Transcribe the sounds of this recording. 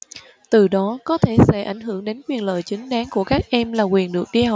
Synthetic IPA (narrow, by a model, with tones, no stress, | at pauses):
t̪ɨ˨˩ɗɔ˨˦kɔ˨˦t̪ʰe˧˩sɛ̰˧˥ʔa˧˩jŋ̟ɦɨ˧˩əŋɗe˨˦nkwi˨˩ənlə̰ː˧˨jt͡ɕï˨˦ŋ̟ɗaː˨˦ŋku˧˩əkaː˦˥k̚ʔɛ˧mlaː˨˩kwi˨˩ənɗɨ˨˩ək̚ɗi˧ha˨